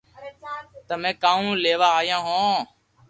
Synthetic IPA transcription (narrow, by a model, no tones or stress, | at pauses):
t̪əmɛ̃ːkãːũːleːʋaːjãːɦõː